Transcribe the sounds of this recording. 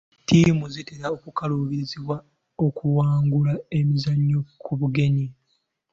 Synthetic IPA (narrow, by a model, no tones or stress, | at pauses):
tiːmuziteɾaokukaluβiziβwa | okuwaːŋɡulae̞mizaɲːokʰuβuɡe̞ɲi